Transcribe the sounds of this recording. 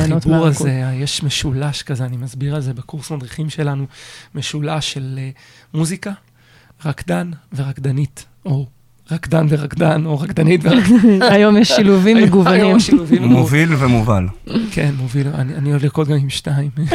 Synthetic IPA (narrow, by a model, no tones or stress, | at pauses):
ibuʁazeajeʃmeʃulaʃkazeanimazbiʁalze̞bekuʁsmad̪ʁiχimʃe̞lanumeʃulaʃe̞l | muzika | ʁakd̪anve̞ʁakd̪anit | o | ʁakd̪anveʁakdano̞ʁakd̪anitveʁakajomjeʃiluvimmeɡuvanimmʃiluvimmovilvemoval | kʰenmovila̰nianidliʁkot̚ɡamimʃnaim